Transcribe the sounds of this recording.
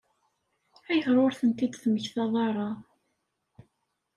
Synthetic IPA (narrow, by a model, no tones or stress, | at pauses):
æjəθɾˤoɾθənt̪id̪θməçθɑðˤɑɾˤɑ